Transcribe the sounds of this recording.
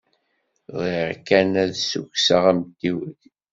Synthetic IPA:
ðˤiʁkænæðsṵksəʁæmd̪iwəð

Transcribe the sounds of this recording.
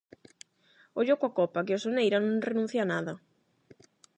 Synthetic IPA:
oʎokwakɔpakɪosonejɾanõŋrenũn̟θjanaðɐ

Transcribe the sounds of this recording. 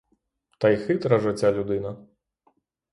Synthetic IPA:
t̪ɐjxɨt̪ɾɐʐɨt͡sʲːalʲud̪ɨnɐ

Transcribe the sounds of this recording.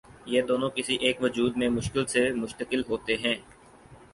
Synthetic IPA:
jeːd̪oːnõkɪsiʔeːkʋʊd͡ʒuːd̪mẽmʊʃkɪlsemʊʃt̪əkɪlɦoːt̪eɦɛ̃ː

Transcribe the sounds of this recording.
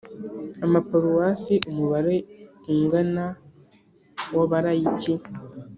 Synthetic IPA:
amapoɾuwasiʔumuβaɾeiŋɡana | waβaɾajici

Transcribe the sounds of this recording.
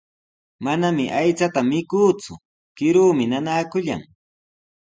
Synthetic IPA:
manamɪʔajt͡sat̪amɪkuːt͡sʊ | kɪɾuːmɪnanaːkʊʎa̰ŋ

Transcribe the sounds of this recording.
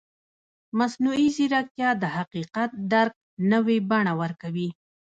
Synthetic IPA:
masnuiziɾak̚t̪jɑd̪əhaqiqat̪̚d̪aɾk̚nəwebaɳawəɾkawi

